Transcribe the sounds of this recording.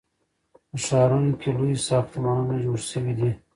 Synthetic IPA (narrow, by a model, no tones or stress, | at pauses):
pəʃɑːɾunokʰʲelujisɑft̪mɑnunad͡ʒuɽsəwid̪i